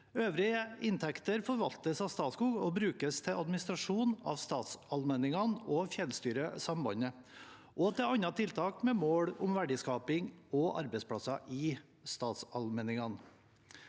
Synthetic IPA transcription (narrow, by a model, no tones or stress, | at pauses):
øːʋɾɪəɪnt̪ʰɛkt̪əɾfɔɾʋɑlt̪əsɑʋst̪ɑːt̪skuːɡɔːbɾʉːkəst̪ʰɛɑd̪mɪnɪst̪ɾɑʂuːnɑ̰ːʋst̪ɑːt̪sɑlmɛnɪŋɑnofjɛlst̪yːɾəsɑmbɑnə | ʔɔːt̪ʰɛɑnɑt̪ʰɪlt̪ʰɑːkmɛːmoːɽʊmʋæɖɪskɑːpɪŋɔʔɑ̰ɾbɛɪspʰɽɑsɑʔɪː | st̪ɑːt̪sɑlmɛnɪŋɑn